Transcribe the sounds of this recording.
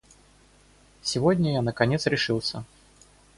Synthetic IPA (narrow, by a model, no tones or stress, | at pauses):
sʲɪvɔdʲnʲɐjanɐkanʲɛt̪sɾʲɪʂɨwsʲɐ